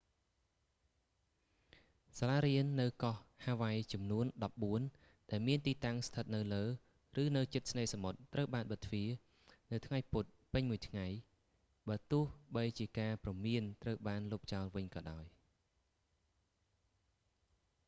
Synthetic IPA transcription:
salaːɾiənːɨwkɑhhaːʋajt͡ɕɑmnuənɗɑp̚ɓuən | ɗaɛlmiənt̪iːt̪aŋst̪ʰət̪̚nɨwləː | rɨːnɨwt͡ɕɨt̪̚sneːsamot̪ːrəwɓaːnɓət̪ʰːʋiə | nɨwt̪ʰŋajput̪̚pɨɲmuəjt̪ʰŋaj | ɓaːt̪ʊəhɓəjt͡ɕiəkaːprɑmiənt̪rəwɓaːnluːp̚t͡ɕaɔlʋɨɲkɑːɗaɔj

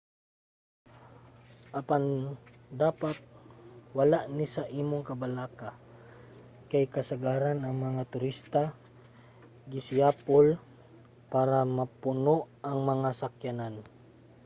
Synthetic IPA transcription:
ʔɐpand̪aːpat̪̚wɐlaʔnɪsaʔiːmoŋkɐbalaːka | kajkɐsaɡaːɾanɐŋmɐŋat̪ʊɾist̪a | ɡɪsɪjaːpol | paːɾamɐpʊnoʔʔɐŋmɐŋasakjanan

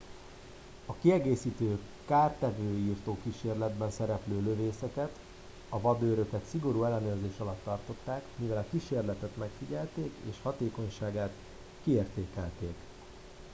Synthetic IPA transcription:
ɒkiɛɡeːsiːt̪øː | kaːrt̪ɛvøːiːrt̪oːkiʃeːrlɛd̪bɛnsɛɾɛpløːløveːsɛkɛt̪ | ɒvɒd̪øːɾø̞kɛt̪siɡo̞ɾuːɛlːɛnøːrzeːʃɒlɒt̪ːɒrt̪o̞t̪ːaːkmivɛlɒkiʃeːrlɛt̪ɛt̪mɛkfiɟɛlt̪eːkḛːʃhɒt̪eːko̞ɲʃaːɡaːt̪ | kieːrt̪eːkɛlt̪eːk

